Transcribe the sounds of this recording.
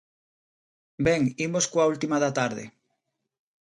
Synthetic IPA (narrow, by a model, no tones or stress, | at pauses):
beŋimoskwault̪imaðat̪aɾðḛ